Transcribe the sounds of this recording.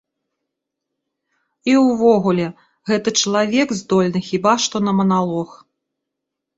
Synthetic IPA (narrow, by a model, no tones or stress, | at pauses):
iwvɔɣulʲɛ | ɣɛt̪ɐt͡ʂɐlˠavʲɛɡzd̪ɔlʲnɨxʲibaʂt̪ɔnɐmɐnalˠɔx